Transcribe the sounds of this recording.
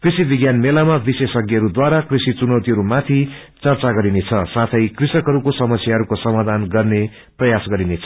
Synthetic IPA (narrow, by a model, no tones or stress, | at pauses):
krisibiɡjanmelamabisesʌɡjʌɾud̪waɾakrisit͡sunʌwt̪iɦʌɾumat̪ʰi | t͡sʌrt͡saɡʌɾinet͡sʰʌsat̪ʰʌjkrisʌkɦʌɾukosʌmʌsʰjaɦʌɾukosʌmad̪ʱanɡʌrne | prʌjasɡʌɾinet͡sʰʌ